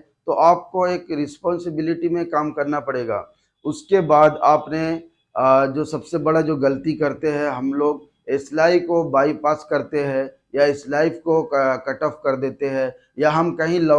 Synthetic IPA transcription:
t̪oʔaːp̚koeːkɾɪspɔːnsɪbɪlɪʈimẽkaːmkɐɾnapɐɽeːɡa̰ː | ʊskebaːd̪aːpne | d͡ʒoːsɐbsebɐɽad͡ʒoːɡɐlət̪ikɐɾt̪eɦɛ̃ɦɐmloːɡ | ɪslaːikobaːipaːskɐɾt̪eɦɛ̃ | jaɪslaːɪfkokɐʈəfkɐɾd̪eːt̪eɦɛ̃ | jaɦɐmkɐɦĩlɐ

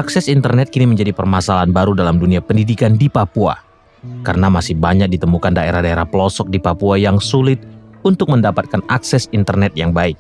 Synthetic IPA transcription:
ʔaksɛsint̪ərnɛt̪̚kiniməɲd͡ʒadipərmasalaɦanbaɾudalamduniapəndidikandipapua̰ | kaɾənamasɪhbaɲak̚dit̪əmukandaeɾahdaeɾahpəlɔsɔk̚dipapuajaŋsulɪt̪̚unt̪ʊk̚məndapat̪̚kanʔaksɛsint̪ərnɛt̪̚jaŋbaɪk̚

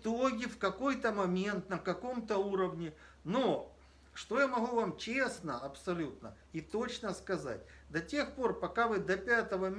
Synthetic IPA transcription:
t̪oɡʲɪfkɐko̞jt̪əmɐmʲe̞nt̪nəkɐko̞mt̪əuɾəvnʲɪno | ʂt̪o̞jamɐɣuvamt͡ɕesnəɐpsɐlʲut̪̚nə | ɪt̪o̞t͡ɕnəskɐza̰tʲd̪ɐtʲe̞xpo̞rpɐkavɨd̪ɐpʲat̪əvə

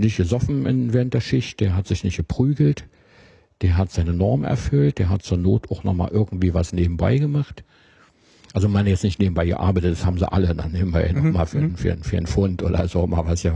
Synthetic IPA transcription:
nɪçtɡ̥əzɔfn̩ɪnveːʁənt̚d̥eːɐʃɪçt̚d̥eːɐɦatz̥ɪçnɪçtɡ̥əpʁ̥yːɡl̩t | d̥eːɐɦatz̥aɪnənɔɐmənɛ̰ɐfʏlt̚d̥eːɐɦatt͡suːɐnoːtaʊxnɔ̰χma̰ːlʔɪɐɡŋ̩tv̥iːvasneːbm̩ba̰ɪɡəmaχt | ʔalzomanjɛt͡snɪçtneːbm̩baɪɡə̰ʔa̰ɐbaɪtət̚d̥ashaːbm̩zḭʔa̰ləda̰nːeːbm̩baɪnɔχmaːlfyːɐnfyːɐnfyːɐənfʊntʔo̰ːɾɐ̰zoːma̰ːlvasjaː

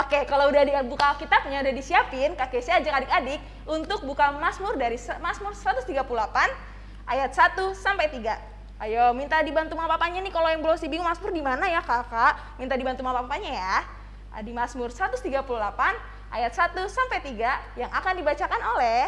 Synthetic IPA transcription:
okekaloudadibukakit̪ap̚ɲaudadisiapɪnkakesiaːd͡ʒakadɪkadɪk̚ | unt̪ʊk̚bukamasmʊrdaɾismasmʊrsəɾat̪ʊst̪iɡapululapan | ʔajat̪̚sat̪usampajt̪iɡa | ajomint̪adibant̪umapapaɲanikalojaŋbəlosibiŋumasmʊrdimanajakakaʔ | mint̪adibant̪umapapapaɲaja | ʔa̰dimasmʊrsəɾat̪ʊst̪iɡapululapan | ʔa̰jat̪̚sat̪usampajt̪iɡajaŋakandibat͡ʃakanolɛ

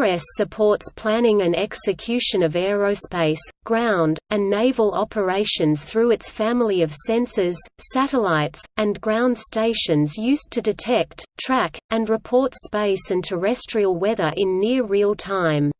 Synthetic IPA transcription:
ɹɛssɨpʰɔɹtspʰl̥æ̃nɪ̃ŋɨ̃nɛksɨkʰj̥ʉʃɨ̃nʌvɛɹoʊspeɪsɡ̥ɹãʊ̃ndɨ̃nːeɪvl̩ˠɑpʰə˞eɪʃɨ̃nz̥θɹʉɨtsfæ̃ml̩ˠiʌv̥sɛ̃nsɨz̥sæɾəlaɪtsɨ̃nɡɹãʊ̃nd̥steɪʃɨ̃nzjʉstʰɨdɨtʰɛk̚ttʰɹ̥ækɨ̃nɹɨpʰɔɹtspeɪsɨ̃ntʰə˞ɛstɹ̥iəl̩ˠwɛðə˞ʔɪ̃nːɪɹɹilˠtʰãɪ̃m

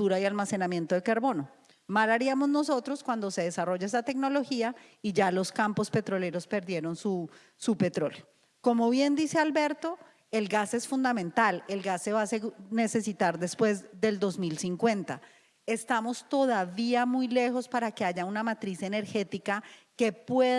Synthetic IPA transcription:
t̪uɾaialmase̞namje̞nt̪oðe̞kaɾβo̞no | malaɾiamo̞zno̞so̞t̪ɾo̞skwand̪o̞se̞ðe̞saro̞ʝaes̬at̪e̞kno̞lo̞xia | iʝalo̞skampo̞spe̞t̪ɾo̞le̞ɾo̞spe̞ɾd̪je̞ɾo̞nsu | supe̞t̪ɾo̞ljo̥ | ko̞mo̞βje̞nd̪ise̞albe̞ɾt̪o̞ | e̞lɡase̞sfund̪amẽ̞nt̪ale̞lɡasːe̞βasene̞se̞sit̪aɾd̪e̞spwe̞zd̪e̞ld̪o̞zmilsiŋkwe̞nt̪a | e̞st̪amo̞st̪o̞ðaβiamujle̞xo̞spaɾake̞aʝaunamat̪ɾise̞ne̞ɾxe̞t̪ikake̞pwe

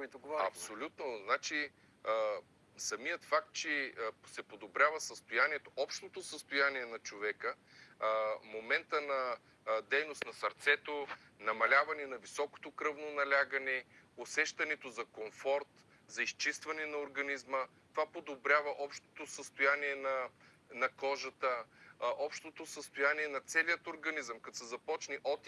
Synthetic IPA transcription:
kit̪ʊɡɐpsolʲut̪noznat͡ʃi | sɐmijət̪fak̚t̪̚t͡ʃɛsɛpod̪obɾʲjavəsəst̪ojaniɛt̪oʔɔpʃt̪ot̪osəst̪ojaniɛnɐt͡ʃovɛkə | momɛnt̪ənɐ | d̪ɛjnost̪nɐsɐɾt̪sɛt̪onɐmɐlʲavɐnɛnɐvisɔko̥t̪okɾɤvnonɐlʲaɡɐnɛosɛʃt̪ɐnɛt̪ozɐkomfɔɾt̪ | zɐist͡ʃist̪vɐnɛnɐoɾɡɐnizmə | t̪ovapod̪obɾʲjavɐʔɔpʃt̪o̥t̪osəst̪ojaniɛnɐ | nɐkɔʒət̪əʔɔpʃt̪ot̪osəst̪ojaniɛnɐt̪sɛliət̪oɾɡɐnizəmkɐt̪sɛzɐpɔt͡ʃnɛʔɔt̪

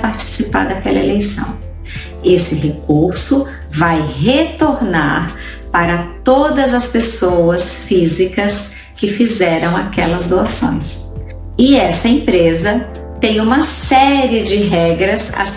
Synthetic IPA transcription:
paɾt͡ʃi̥sipa̰ɾd̪akɛlɐelejsɐ̰̃w̃ | esɪɦekuɾsʊ | vajɦet̪oɾna̰ɾ | paɾɐt̪od̪ɐzɐspesowɐsfizikɐs | kɪfizɛɾɐ̃w̃akɛlɐzd̪oasõ̰j̃s | ɪɛsɐẽpɾezɐ | t̪ẽj̃ũmɐsɛɾiɪd͡ʒɪɦɛɡɾɐsa̰

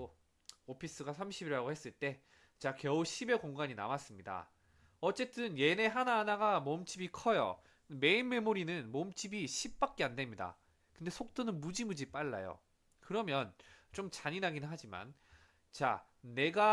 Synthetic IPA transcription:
o | opʰis͈ɯɡasʰamɕʰibiɾɭɦaɡohe̞s͈ɯɭt͈e̞ | t͡ɕakjʌuɕʰibe̞koŋɡaɲina̰mas͈ɯmɲida̰ | ʌt͡ɕ͈e̞t͈ɯnje̞ne̞ɦananaɡamomt͡ɕ͈ibikʰʌjo̰ | me̞inme̞muɾinɯnmomt͡ɕ͈ibiɕʰip̚p͈ak͈̚eande̞mɲida̰ | kɯnde̞sʰok̚t͈onɯnmud͡ʑimud͡ʑip͈aɭːa̰jo̰ | kɯɾʌmjʌnt͡ɕ͈omt͡ɕaɲinaɡinɯnɦad͡ʑima̰n | t͡ɕa̰ | ne̞ɡa

